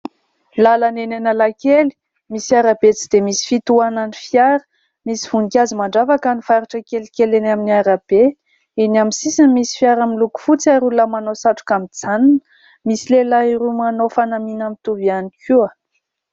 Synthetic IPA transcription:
lalanenenəlakeli̥ | misiaɾabet͡si̥d̪̥emisi̥fit̪uananifjaɾə̥ | misi̥v̥unikʲazimaɳɖ͡ʐavakənifaɾiʈ͡ʂəkelikelenaminiaɾab̥e | inaminsisinmisi̥fiaɾamiluku̥fut͡saɾulamanosaʈ͡ʂu̥kamid͡zaninə̥ | misilelaiɾumanofanaminamit̪uvianikʰuə

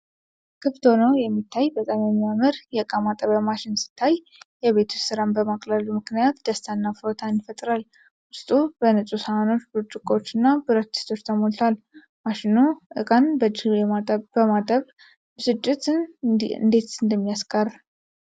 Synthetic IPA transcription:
kʰɨft̪ʰonəwjɛmːit̪ʰːajbət̪ʼamjɛmːiaməɾjɛɨkʼamat̪ʼəβəmaʃɪnsɨ̥t̪ʰːaj | jɛβe̞t̪ʰusɨɾanbəmakʼləlumɨknijat̪d̪əst̪ʰanːafɨɾot̪ʰanjɪfət̪ʼɾal | ʊst̪ʼubənɨsʼusəmano̞t͡ʃːbut͡ʃʼɪkʼo̞t͡ʃːɨnːabɨɾət̪ʰːi̥st̪ʰo̞t͡ʃːt̪ʰəmolt̪ʰal | maʃɪnuʔɨ̰kʼanbəd͡ʒɛabəmat̪ʼəβ | bsɨd͡ʒːɪt̪ | ɨnd̪e̞t̪ɨnd̪əmːijaskʼar

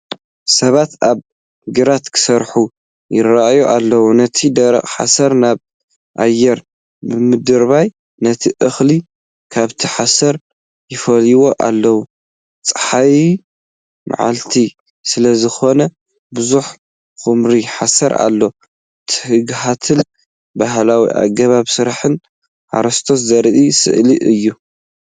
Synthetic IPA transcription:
sɐβat̪aβ | ɡɨɾat̪kʰɨ̥sɐɾħu | jɪɾaʔjuʔalːɐwunɐt̪ʰid̪ɐɾɐ̰χʼħa̰sɐɾnaβ | ʔajːɛɾ | bɨmɨd̪ɨɾβaj | nɐt̪ʰiʔɨxli | kʰaβt̪ʰiħasɐɾ | jɪfɐliwo̞ʔalːɐwu | t͡sʼɨ̥ħaji | ma̰ʕa̰lt̪ʰi | sɨlɐzɨxo̞nɐ | bɨzuħ | xɨmɾiħasɐɾa̰lːo | t̪ʰɨ̥hɨɡɦat̪ʰɨn | baɦlawḭʔa̰ɡɐβaβsɨɾaħɨn | ʔa̰ɾɐst̪ʰoszɐɾʔisɨ̰ʔliʔɨjːu

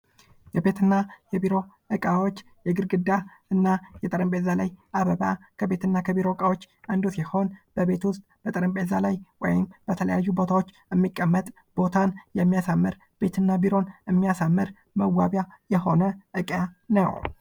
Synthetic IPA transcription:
jɛbe̞t̪ʰɨnːajɛbiɾo̞ | ʔɨkʼawo̞t͡ʃː | jɛɡɨɾɡɨd̪ːaɨnːajɛt̪ʼəɾəmbʼezalajʔaβəβakʰəbe̞t̪ʰɨnːakʰəbiɾo̞kʼawo̞t͡ʃː | ʔand̪usiho̞nb̥əβe̞t̪wʊst̪ʼb̥ət̪ʼəɾəmbʼezalajwɔ̰jɪmbət̪ʰələjajːubo̞t̪ʰawo̞t͡ʃːɛmːikʼːəmːət̪ʼ | b̥o̞t̪ʰanjɛmːijasamːɨɾ | b̥e̞t̪ʰɨnːabiɾo̞nɨmːijasamːɨɾ | məwaβjajɛho̞nəʔɨkʼjanə̰w

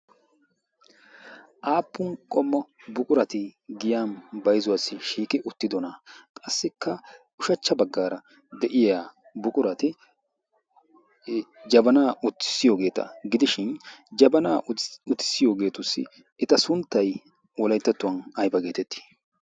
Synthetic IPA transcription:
ʔaːpːʊnkʼɔmːɐbʊkʼʊɾɐt̪ɪɡɪjaːnbɐjzʊwaːsːɪʃiːkʼɪʔʊt̪ːɪd̪ɔnɐkʼɐsːɪkʰːɐʔʊʃɐt͡ʃːɐbɐɡːaːɾɐ | d̪ɛʔɪjaː | bʊkʼʊɾɐt̪ɪ | d͡ʒɐbɐnaːʊt̪ːɪ̥sɪjo̞ːɡe̞ːt̪ɐ̰ɡɪd̪ɪʃɪnd͡ʒɐbɐnaːʊt̪ːɪ̥sːɪjo̞ːɡe̞ːt̪ʊsɪ̰ | ɛt̪ɐsʊnt̪ːɐj | wɔlɐjt̪ːɐt̪ːʊwɐnɐjbɐɡe̞ːt̪ɛt̪ʰːi̥

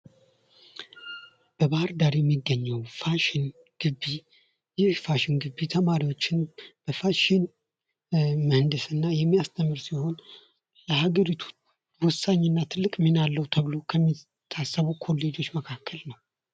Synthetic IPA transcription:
b̥əβahɨɾd̪aɾjɛmːiɡːəɲːəwfaʃɪn | ɡ̥ɨbːi | jɪhfaʃɪnɡɨbːit̪ʰəmaɾiwo̞t͡ʃːɪnb̥əfaʃin | məhɨnd̪ɨsɨnːajɛmːijast̪ʰəmːɨɾsiho̞n | ləhaɡəɾit̪ʰu̥ | wʊsːaɲːɨnːat̪ʰɨlːɨkʼminalːəwt̪ʰəβlo̞kʰəmːi | t̪ʰːasːəβukʰo̞lːe̞d͡ʒo̞t͡ʃːməkʰakːəlnəw

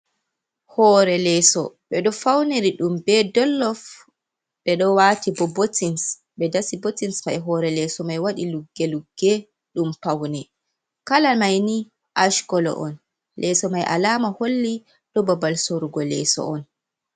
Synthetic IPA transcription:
hɔːɾɛlɛːsɔ̰ɓɛɗɔfawneɾiɗumbɛdɔlːɔf | ɓɛɗɔwatibɔbotins | ɓɛdasibotinsmajɦɔːɾɛlɛːsɔmajwaɗiluɡːɛluɡːɛ | ɗumpawnɛ | kalamajni | ʔaʃkɔlɔ̰ʔɔn | lʔɛsɔmajʔa̰laːmaholːi | ɗɔbabalsoɾuɡɔlɛ̰ːsɔ̰ɔn

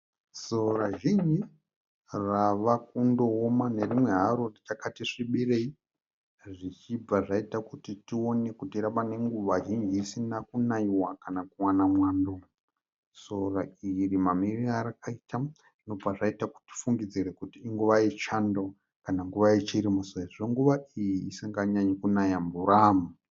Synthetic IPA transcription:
soɾaʒind͡ʒi | raʋakundo̞ːmane̞rimwe̞ɦaɾorit͡ʃakatiʂiɓirei | ʐit͡ʃib͡vaʐaitakutitio̞ne̞kutiɾaɓane̞ŋɡuʋaʒind͡ʒiːsinakunaiwakanakuwanamwaːndo | so̞rairimamiriaɾakaita | ino̞b͡vaʐaitaku̥ti̥fuŋɡid͡ziɾekutiːŋɡuʋait͡ʃando | kanaŋɡuʋait͡ʃiɾimusoaʐoŋɡuʋaijiːsiŋɡaɲaɲekunajambuɾaːmu

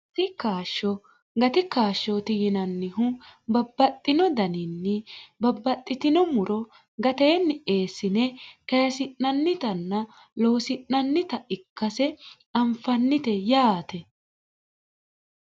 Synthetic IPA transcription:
t̪ɪkaːʃːɔ | ɡɐt̪ɪkaːʃːɔt̪ɪjɪnɐnːɪɦʊbɐbːɐt̪ʼːɪnɔd̪ɐnɪnːɪbɐbːɐt̪ʼːɪt̪ɪnɔmʊɾɔ | ɡɐt̪eːnːɪe̞ːsːɪnɛkɐjɐsɪnːɐnːɪt̪ɐnːɐ | lo̞ːsɪnːɐnːɪt̪ɐɪkːɐsɛ | ɐmfɐnːɪt̪ɛjaːt̪ɛ

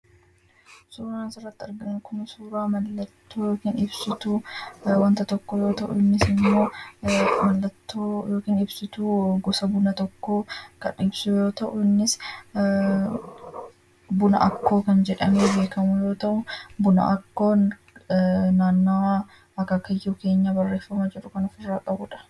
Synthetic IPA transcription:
suːɾaːnsɪrːɐt̪ːɪɐɾɡɐnkʊnɐsuːɾaːmɐlːɐt̪ːoːjo̞ːkiːnɪbsɪt̪uwɐnt̪ɐt̪ɔkːɔjo̞ːt̪ɐʔʊɪnːɪsɪmːo̞ː | mɐlːɐt̪ːoːjo̞ːkiːnɪbsɪt̪uɡɔsɐbʊnɐt̪ɔkːoːkɐ̰nɪbsʊjjo̞ːt̪ɐʔʊɪnːɪs | bʊnɐ̰ʔɐkːo̞ːkɐnd͡ʒɛᶑɐmeːbe̞ːkɐmʊjo̞ːt̪ɐʔʊbʊnɐ̰ʔɐkːo̞ːn | naːnːoː | ɐkɐkːɐjːuːke̞ːɲːɐbɐrːe̞ːfːɐmɐd͡ʒɛᶑʊkɐnɐfɪrːaːkʼɐbʊᶑɐ̥

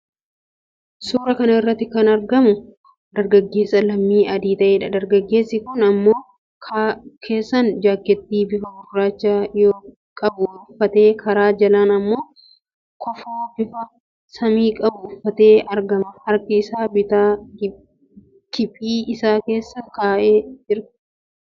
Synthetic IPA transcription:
suːɾɐkɐnɐɪrːɐt̪ːɪkɐnɐɾɡɐmʊ | d̪̥ɐɾɡɐɡːe̞ːsːɐlɐmːiːɐd̪iːt̪ɐʔeːᶑɐd̪ɐɾɡɐɡːe̞ːsːɪkʊnɐmːo̞ː | kʰakʰe̞ːsːɐnd͡ʒaːkːɛt̪ːiːbɪfɐɡʊrːaːt͡ʃːaːjoː | kʼɐbʊʊfːɐt̪e̞ːkʰɐɾaːd͡ʒɐlaːnɐmːo̞ː | kɔfoːbɪfɐ | sɐmiːkʼɐbʊʊfːɐt̪e̞ːɐɾɡɐmɐhɐɾkɪɪsaːbɪt̪a | kɪpiːɪsaːke̞ːsːɐkaːʔeːd͡ʒɪɾ

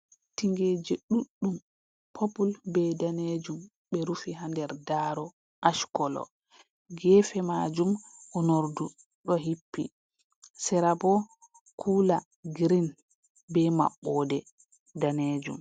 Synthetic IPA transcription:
tiŋɡeːd͡ʒɛɗuɗːum | pʰopulbɛdaned͡ʒum | ɓɛɾufiɦandɛɾdaɾɔ | ʔaʃkɔlɔ̰ | ɡɛːfɛmad͡ʒumʔɔnoɾdu | ɗɔɦipːḭ | sɛɾabɔ | kʰuːla | ɡɾin | bɛma̰ɓːɔdɛ | daneːd͡ʒṵm

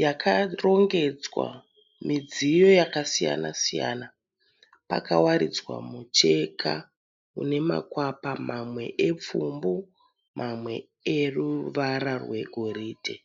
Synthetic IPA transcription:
jakʰaro̞ŋɡe̞d͡zwa̰ | mid͡zijo̞jakasija̰nasija̰ːna | pakawaɾid͡zwa̰mut͡ʃe̞kʰa | ṵne̞ma̰kwapamamwe̞̰ʔep͡fumbu | mʔamwe̞ | eruʋaɾarwe̞̰ɡʱoɾiːdʱḛ

